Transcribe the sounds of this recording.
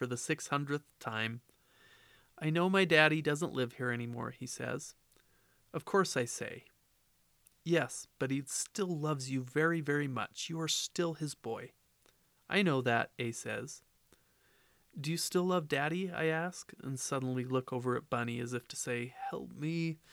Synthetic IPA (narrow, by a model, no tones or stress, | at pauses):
fə˞ðɨsɪkshʌ̃ndɹɨθtʰãɪ̃m | ʔaɪnoʊmaɪdæɾidʌzə̃nʔlʔɪv̥hiɹɛñimɔ̰ɹisɛ̰z̥ | ʌv̥kʰɔɹsaɪsḛɪ | jɛsb̥ʌt̚histɪlˠlʌvzjɨvɛɹivɛɹimʌ̰t͡ʃjɨə˞stɪlˠɨzbɔɪ | ʔaɪnoʊðɨɾ̚eɪsɛ̰z̥ | d̥ɨjɨstɪlʌvdæɾia̰ɪæsk̚ɨ̰̃nsʌdⁿn̩lilʊkʰoʊvə˞ɨ̰t̚b̥ʌniɨzɨftʰɨ̥seɪhɛlˠp̚mi